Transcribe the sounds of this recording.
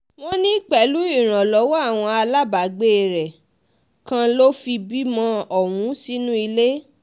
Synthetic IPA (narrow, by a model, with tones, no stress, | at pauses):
w̃õ˦nĩ˦k͡pɛ˨˦lu˦i˦˨ɾ̃ã˨lɔ˨˦wɔ˦a˦˨w̃ɔ̃˧a˧la˦ba˨ɡ͡be˦˨ɾɛ˨ | kã˧lo˦fi˧bi˦mɔ̃˧ɔ˨wũ˨˦si˦nũ˦i˧le˦